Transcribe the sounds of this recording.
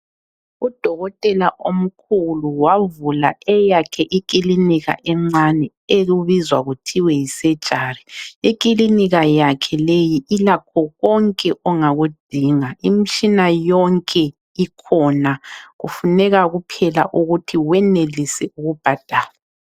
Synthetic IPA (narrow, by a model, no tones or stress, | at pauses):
ud̥ʱɔɣɔtʼɛlaʔom̩kʰuluwavula̰ɛjakʰɛʔik̬ʼiliniɣa̰ʔɛŋ͡ǀanɛ | eɣuβizwaɣutʰiwɛjisɛ̥t͡ʃʼaːriikʼiliniɣajakʰɛlejiʔilakʰɔɣɔŋkʼɛʔɔŋaɣud̥ʱiŋaim̩t͡ʃʰʼinajɔŋkʼɛ | ikʰɔnaɣufunɛɣaɣupʰɛla̰ʔuɣutʰiwɛnelisɛuɣub̥ʱad̥ʱaːla